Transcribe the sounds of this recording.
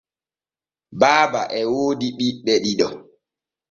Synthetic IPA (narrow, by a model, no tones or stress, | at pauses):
baːbaʔɛwoːdiɗiɓɛɗiɗɔ